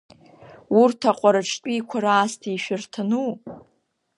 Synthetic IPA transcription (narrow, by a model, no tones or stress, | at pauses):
urtʰaqʷʼaɾaʈ͡ʂʰtʼiːkʷʰaɾaːstʰiʃᶣɪrtʰɨnu